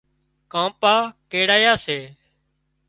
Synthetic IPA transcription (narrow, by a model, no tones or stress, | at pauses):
kãːpaːkeːɽaːjaːseː